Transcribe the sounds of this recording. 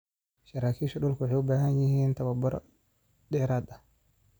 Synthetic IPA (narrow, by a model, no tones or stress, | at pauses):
ʃɐɾaːkʰiːʃɐɗʊlkʰʊwʊħejʊbaːɦɐnjɪhiːnt̪ʰɐβɐbɔɾɔ | ɗɛːɾaːd̪ɐh